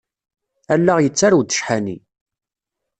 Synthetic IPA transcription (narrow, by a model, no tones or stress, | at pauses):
ælːaʁjət͡sːaɾwd̪ə̥ʃħani